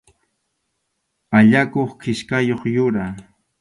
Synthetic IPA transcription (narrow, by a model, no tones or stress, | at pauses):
aʎakoχkɪʃkajoχjʊɾa